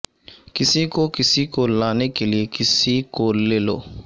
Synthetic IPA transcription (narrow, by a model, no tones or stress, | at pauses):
kisikokisikolãnekeliekisikolelo̰